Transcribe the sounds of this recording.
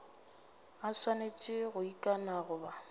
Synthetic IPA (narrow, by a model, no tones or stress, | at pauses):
aswanet͡ʃʼɪɣʊikʼanaɣʊba